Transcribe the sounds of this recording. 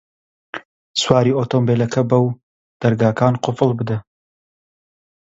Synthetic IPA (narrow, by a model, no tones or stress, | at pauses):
swaːɾiːoːt̪ʰoːmbeːlɐkʰɐbɐw | d̪̥ɐɾɡaːkʰaːnqʊfɨlˠbɨd̪ɐ